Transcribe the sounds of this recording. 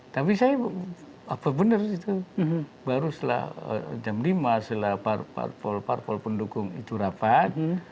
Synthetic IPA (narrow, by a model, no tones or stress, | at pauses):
t̪apisaja | apabənərit̪ubaɾusəla̰hə̰d͡ʒamlimasəlaparpa̰rpɔlpa̰rpɔlpəndukʊŋḭt̪uɾapat̪̚